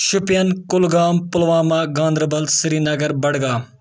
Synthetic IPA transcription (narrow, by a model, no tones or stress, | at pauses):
ʃʊpijɐnkʊlɡaːmpʊlʋaːmaːɡãːnd̪ɾɐbɐlsɪɾiːnɐɡɐɾbɐɽɡaː